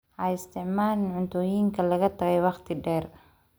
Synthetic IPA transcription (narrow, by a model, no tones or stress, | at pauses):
ʕɐɪst̪ʰɪʕmaːlɪnʕʊnt̪ʰɔːjiːŋkʰɐlɐɣɐt̪ʰɐɣɛjwɑqt̪ʰɪɖɛːr